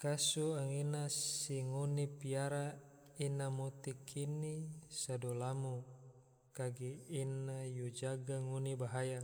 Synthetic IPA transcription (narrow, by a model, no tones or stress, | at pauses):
kasuaŋinasiŋonipiaɾa | inamot̪ikʰinisadolamu | kaɡiːnajud͡ʒaɡaŋonibaɦaja